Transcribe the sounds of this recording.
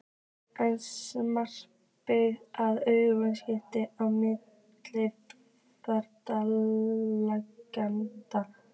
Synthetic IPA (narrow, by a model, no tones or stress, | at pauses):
ajnsmar̥ | pɪaðœɥɣʏvanscɪht̪ɪʔawmɪt̪ | lɪ | pœɾt̪alː | akːant̪a